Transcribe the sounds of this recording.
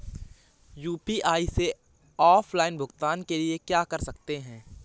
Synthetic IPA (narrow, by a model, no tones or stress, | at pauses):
juːpiʔaːise | ɔːfʰlaːɪnbʱʊɡt̪aːnkeliekjaːkɐɾsɐkt̪eɦɛ̃ː